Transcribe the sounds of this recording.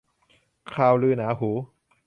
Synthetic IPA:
kʰaː˧wlɯː˧naː˩˦˥ɦuː˩˦

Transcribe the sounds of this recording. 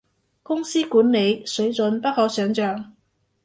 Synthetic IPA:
kʊ˥ŋsiː˥kuː˨˥nle˨˧jsɵ˨˥ɥt͡sɵ˨˧npɐ˥t̚hɔː˨˥sœː˨˧ŋt͡ʃœː˨ŋ

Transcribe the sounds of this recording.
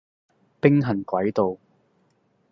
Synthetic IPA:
pɪ˥ŋɦɐ˨˩nkʷɐ˨˥jt̪o˨˧w

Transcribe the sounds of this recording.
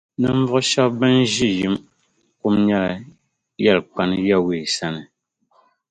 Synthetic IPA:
nɨ˨ɱ̩˦vɔ˦ʃa˦bbɛ˦n˦ʒi˦ji˦m | ku˦mɲɛ˦la˨ | ja˦˨lk͡pa˦nja˦˨we˨sa˦nɨ˨

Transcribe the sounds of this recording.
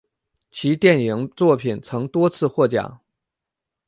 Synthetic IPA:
t͡ɕʰi˧˥t̪jɛ˥˩nji˧˥ŋt͡swɔ˥˩pʰi˨˩nt͡sʰɤ˧˥ŋt̪wɔ˥t͡sʰɹ̩˥˧xwɔ˥˩t͡ɕja̰˨˩˦

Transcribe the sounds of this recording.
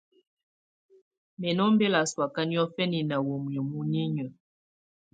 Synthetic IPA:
mɛ˨nɔ˦m˦be˦la˨swa˨ka˦njɔ˦fɛ˦ni˨na˨wo˨m˨ɔ˨mu˦ɲi˦ɲə˨

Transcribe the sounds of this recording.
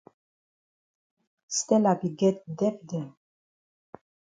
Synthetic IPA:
st̪ɛ˦la˨bi˨ɡɛt̪̚d̪ɛ˦pd̪ɛ˨n

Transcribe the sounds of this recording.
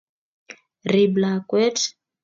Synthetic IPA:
ri˨bla˨kwɛ˦t

